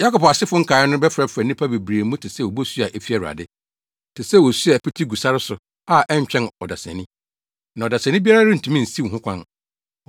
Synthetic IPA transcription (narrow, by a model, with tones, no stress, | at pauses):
ja˦kɔ˨pa˨sɪ˦fʊ̃˦ŋ̩˦kʰaː˨ɪ˦nʊ̃˦bɛ˦fɾɛ˦fɾɛ˨nĩ˦pʰa˦be˨bɾi˨e˨˦mũ˦tʰɪ˨sɛ˦˨wo˨bo˦su˦a˨ʔɛ˦fi˦ɛ˨ɾa̰˨dɪ˦ | tʰɪ˨sɛ˦wo˨su˦a˨pʰi˦tʰi˦ɡu˨sa˦ɾɪ˦sʊ˨ | a˦˨ʔɛ˦ɲ˦t͡ɕᶣɛ̃˦nɔ˨da˨sɛ̰̃˨nĩ˦ | nã˨ɔ˨da˨sɛ̃˨nɪ̃˦bi˦a˦ɾa˦ɾɪ˦n̩˨tʰũ˨˦mĩ˦n̩˨si˦˨ɦʊ̃˦kʷʰã˦n